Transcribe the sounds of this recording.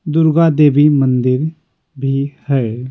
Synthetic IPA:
d̪ʊɾɡaːd̪eːbiːmənd̪ɪɾ | bʱiːhɛː

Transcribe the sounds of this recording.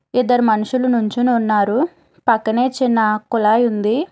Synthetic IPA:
id̪ːɐɾumɐnuʃulɐnuɲt͡ʃinuːnːaːɾu | pɐkːɐne̞ːt͡ʃinːɐkulaːjund̪i

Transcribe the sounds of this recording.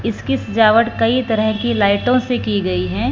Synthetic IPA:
ɪskisɪd͡ʒaːʋəʈkɐit̪ɐɾəɦkilaːɪʈõsekiɡɐiɦɛː

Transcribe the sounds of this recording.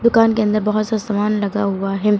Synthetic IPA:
d̪ʊkaːnkeɐ̃nd̪əɾbɐɦʊt̪sazɐmaːnlɐɡaɦʊaɦɛː

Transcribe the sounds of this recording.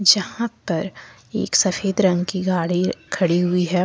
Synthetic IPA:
d͡ʒɐhãpɐɾḛːksɐfeːd̪ɾɐ̃ŋɡkiɡaːɽikʰɐɽiɦʊiɦɛː

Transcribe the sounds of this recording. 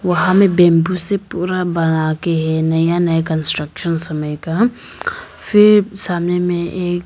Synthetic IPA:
ʋɐɦãmẽbɛ̃ːmbusepuːɾabɐnakeɦɛnɐjanɐjakə̃nsʈɾəkʃənsɐməjka | fɪɾsaːmnemẽʔeːk

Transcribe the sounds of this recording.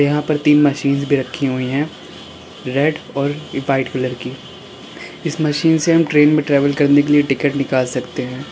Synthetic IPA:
jɐɦãpɐɾt̪iːnmɐʃiːnzbʱiɾɐkʰːiɦoiɦɛ̃ː | ɾɛɖɔːɾʋaːɪʈkʊləɾkiː | ɪsmɐʃiːnseɦɐmʈɾeːnmẽʈɾɛːʋəlkɐɾnekelieʈɪkəʈnɪkaːlsɐkt̪eɦɛ̃ː

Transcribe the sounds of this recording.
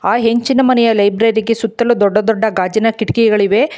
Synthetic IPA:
aːɦeɲt͡ʃinɐmɐnɛjɐlɐjbɾɐɾɾiɡe̞sut̪ːɐlud̪ɔɖːɐd̪ɔɖːɐɡaːd͡ʒɐnɐkiʈikiɡɐɭiʋe̞

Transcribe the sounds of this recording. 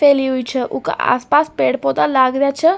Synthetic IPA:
feliɦujt͡ʃʰəʔuka̰ʔa̰spaspeɽpot̪alaɡɾjat͡ʃʰə

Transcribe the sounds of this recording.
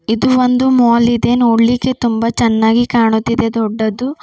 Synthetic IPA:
id̪uʋond̪umoːlid̪e̞noːɽlikːe̞t̪umbɐt͡ʃɛnːaːɡikaːɳut̪ːid̪e̞d̪ɔɖːɐd̪u

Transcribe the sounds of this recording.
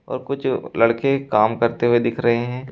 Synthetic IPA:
ɔ̰ːɾkʊt͡ʃʰlɐɽkekaːmkɐɾt̪eɦued̪ɪkʰɾɐɦeɦɛ̃ː

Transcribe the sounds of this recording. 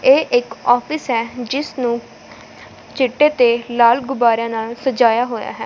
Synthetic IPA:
eːʔɪkɔːpʰɪsɦɛːd͡ʒɪsnũː | t͡ʃɪʈːeːt̪eːlaːlɡʊbaːɾjãːnaːlsəd͡ʒaːjaːɦoːja̰ːɦɛ̰ː

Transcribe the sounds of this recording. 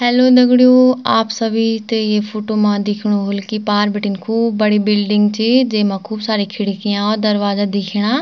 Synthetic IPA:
ɦɛːloːd̪əɡɽijoːaːpsəbʱiːt̪eːeːpʰoːʈoːmãːd̪ɪkʰɽ̃oːɦoːlkipaːɾbɪʈiːnkʰuːb̚ːəɽiːbɪlɖɪŋɡt͡ʃiːd͡ʒeːmãːkʰuːbsaːɾiːkʰɪɽkɪjãːod̪əɾʋaːzaːd̪ɪkʰɽ̃aː

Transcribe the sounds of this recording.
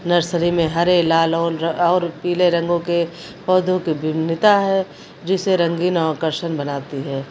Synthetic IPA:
nɐɾsɾimẽɦɐɾelaːlɔːɔːɾpiːleɾɐ̃ŋɡõke | pɔːd̪ʱõkibʱɪnɪt̪aɦɛ | d͡ʒɪseɾɐ̃ŋɡiːnɔːkəɾʃənbɐnaːt̪iɦɛː

